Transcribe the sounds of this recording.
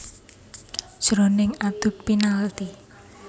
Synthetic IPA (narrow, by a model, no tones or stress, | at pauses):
ʒ̥ɾɔnɪŋad̪̥ʊpːinalt̪i